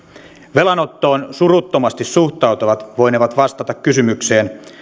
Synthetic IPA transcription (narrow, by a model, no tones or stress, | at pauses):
ʋe̞lɑnot̪ːo̞ːnsurut̪ːomɑst̪issuht̪ɑwt̪oʋɑt̪ʋojneʋɑt̪ʋɑst̪ɑt̪ɑkkysymykse̞ːn